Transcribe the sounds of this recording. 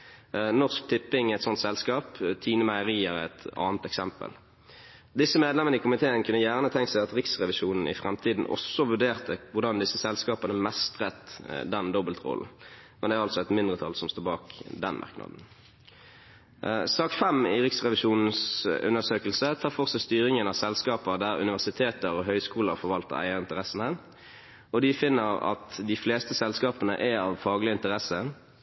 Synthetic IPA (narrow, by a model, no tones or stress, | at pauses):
nɔʁsk̚t̪ʰɪpːɪŋɛt̪sɔnt̪sɛlskɑːpt̪ʰiːnəmæɪəʁiːəʁɛt̪ɑ̰ːnət̪ɛksɛmpə̰l | d̪ɪsːəmeːd̪lɛmənəikʊmɪt̪ʰeːənkʰʉnːəjæːʁnət̪ʰɛŋk̪sæɪɑt̪ʁɪksʁɛʋɪʃuːnn̩ɪ̰fʁɛmt̪ʰiːd̪n̩ʔɔ̰sɔʋʉɖeːʁt̪əʋʊʁd̪ɑnd̪ɪsːəsɛlskɑːpənəmɛst̪ʁɛt̪d̪ɛnd̪ɔbəlt̪ʁɔ̰ln̩mɛnd̪ɛːʁɑlsɔɛt̪mɪnd̪ʁət̪ʰɑlsɔmst̪oːbɑːkd̪ɛ̰nmʔɑ̰ʁknɑ̰d̪n̩ | sɑːkfɛmɪʁɪksʁɛʋɪʃuːnn̩sʉ̰nəsøːkəlsət̪ʰɑːʁfɔʁsɛst̪yːɾɪŋənɑʋsɛlskɑːpəd̪æʁʉ̰nɪʋæʁsɪt̪ʰeːt̪əɾɔɦœʏskuːləʁfɔʁʋɑlt̪ə̰ʁæ̰ɪəʁɪnt̪əʁɛsən̩ə | ɔd̪ɪfɪnːəʁɑ̰t̪d̪ɪfleːst̪əsɛlskɑːpənə̰ʔɛɑʋfɑːɡlɪəɪnt̪əʁɛsə